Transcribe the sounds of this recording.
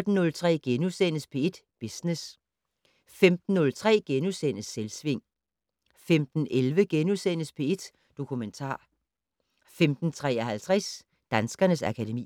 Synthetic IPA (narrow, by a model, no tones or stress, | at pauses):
d̥n̩ːɔ̽lt͡sʰʁɛ̰ːɡ̥enusen̰əspʰe̝e̝d̥ | b̥isnes | femd̥n̩ːɔ̽lt͡sʰʁɛ̰ːɡ̥enusen̰əsːelsʋe̝ŋ̰ | femd̥n̩ʔelʋəɡ̥enusen̰əspʰe̝e̝d̥ | d̥o̝kʰument͡sʰɑ̰̈ː | femd̥n̩t͡sʰʁɛ̰ːɐhælt͡sʰʁɛs | d̥ænsɡ̥ɐnəsækʰæɾemḭː